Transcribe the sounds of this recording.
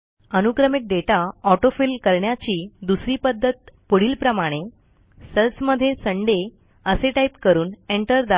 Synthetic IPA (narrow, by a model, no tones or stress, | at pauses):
ənukɾəmik̚ɖeʈaɔʈofilkəɾɳjat͡ɕiːd̪usɾiːpəd̪ʱːət̪̚pəɽ̤iːlpɾəmaɽ̃e | səlsməd̪ʱːjesəɳɖe | əseʈaipkəɾuːneɳʈəɾd̪a